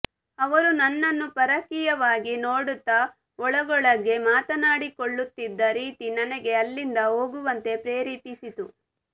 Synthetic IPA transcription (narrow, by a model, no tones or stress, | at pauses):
ɐʋɐɾunɐnːɐnːupɐɾɐkijɐʋaːɡinoːɽut̪ːɐ | ɔɭɐɡɔɭɐɡe̞maːt̪ɐnaːɽikoɭːut̪ːid̪ːɐɾiːt̪inɐnɛɡe̞ɐlːind̪ɐo̞ːɡuʋɐnt̪e̞pɾeːɾiːpisit̪u